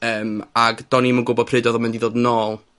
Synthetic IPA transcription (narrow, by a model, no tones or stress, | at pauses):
əːmaɡd̥ɔnimənɡʊbɔ̥pʰrɪdɔðɔmɛndiðoːdənoːlˠ